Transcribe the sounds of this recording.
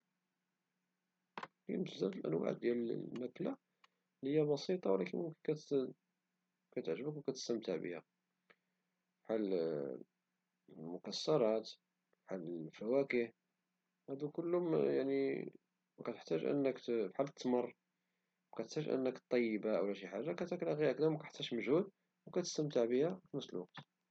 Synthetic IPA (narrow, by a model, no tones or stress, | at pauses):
kint̪zæd̪əlʔæ̰nːwa̰ʕ̰d̪ːjælmækla | lhəjːæbɑsit̪ˤɑwlækənmʊmkənkæt̪ | kæt̪ʕʒəbəkwkæt̪ə̥st̪əmt̪əʕbə̰hæ̰ | fħal | lmʊkæsːɑɾˤɑt̪ | fħaləlfæwækəh | hæd̪ukəlːʊmjaʕni | kæt̪əħt̪æʒʔə̰nːəkfħalːət̪ːmərˤː | wkæt̪əħt̪æʒʔə̰nːəkt̪ˤːɑjːəbaʔwlæʃiħaʒːakæt̪æklæɣiʔækd̪æmækæəħt̪ːæʃməʒhud̪ | wkæt̪ə̥st̪əmt̪əʕbihæfmæslwɑq̚t̪